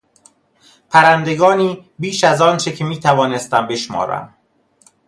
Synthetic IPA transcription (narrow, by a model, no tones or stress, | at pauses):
pʰæɾænd̪e̞ɡɒːniːbiːʃæzɒːnt͡ʃʰecʰe̞miːt̪ʰævɒːne̞st̪æmbe̞ʃmɒ̰ːɾæ̰m